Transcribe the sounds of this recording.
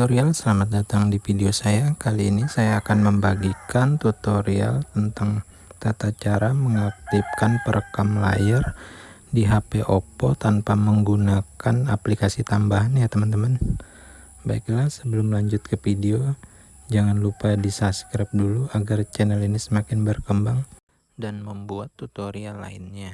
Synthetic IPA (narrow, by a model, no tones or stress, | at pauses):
ut̪oɾialsəlamat̪̚dat̪aŋdifideosajakaliːnisajaːkanməmbaɡikant̪ut̪oɾia̰lt̪ənt̪aŋ | t̪at̪at͡ʃaɾaməŋak̚t̪ɪp̚kanpəɾəkamla̰jərdiɦapeʔopot̪anpaməŋɡunakanaplikasit̪ambaɦanɲat̪əmant̪əman | baɪklahsəbəlʊmlaɲd͡ʒʊt̪̚kəfideo | d͡ʒaŋanlupadisaskɾɛp̚duluaɡart͡ʃɛnəlinisəmakɪnbərkəmbaŋ | danməmbuat̪ːut̪oɾialːa̰ɪnɲa